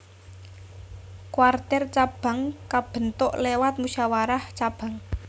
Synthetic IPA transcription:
kwart̪ɛrt͡ʃab̥a̤ŋkab̥ə̤nt̪ʊʔlewat̪̚muʃawaɾaht͡ʃab̥ä̤ŋ

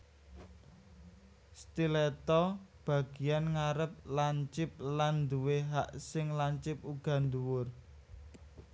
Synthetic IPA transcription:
st̪ilɛt̪ɔb̥ä̤ɡ̥i̤janŋaɾəp̚laɲt͡ʃɪp̚land̪uweɦaʔsɪŋlaɲt͡ʃɪp̚uɡ̥ä̤nd̪uwʊr

